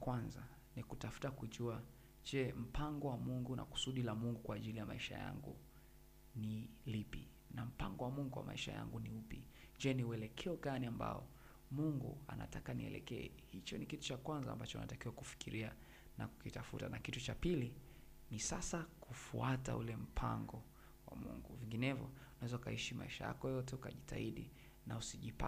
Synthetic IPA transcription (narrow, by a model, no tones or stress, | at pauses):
kwanza | nikutafu̥takuʄua | d͡ʒɛm̩paŋɡɔwamuŋɡuna̰ku̥suɗilamuŋɡukwaːʄilijamaiʃa̰ja̰ŋɡṵ | nilipi | nam̩pa̰ŋɡɔwamuŋɡuwa̰maiʃa̰ja̰ŋɡuniupi | d͡ʒɛniuɛlɛkʰɛɔɡaniamba̰ɔ | muŋɡṵa̰na̰takaniɛ̰lɛ̰kɛɛ | hit͡ʃɔnikitu̥t͡ʃakwanzaːmbat͡ʃɔuna̰takiwakufi̥kiɾia | naku̥kitafṵtanakitut͡ʃapili | nisasakʰufuata̰ulɛm̩pʰa̰ŋɡɔ | wa̰mṵŋɡuviŋɡinɛvjɔ̰unawɛzaukaiʃimaiʃaja̰kɔjɔtɛukaʄitaiɗḭ | nausiʄipa